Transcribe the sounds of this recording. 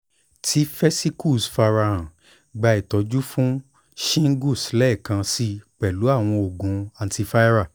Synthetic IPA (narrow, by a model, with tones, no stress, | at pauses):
tʰi˨˦fɛ˦si˦ku˦˨sfa˧ɾa˧ã˨ | ɡ͡ba˧i˨tɔ˨˧d͡ʒu˦fũ˦ | ʃĩ˦ŋ̩˦ɡu˦˨slɛ˦˨kã˧si˦˧k͡pɛ˨lu˨˦a˦˨w̃ɔ̃˧o˨ɡũ˨a˧nti˧fa˦i˦ɾa˦˨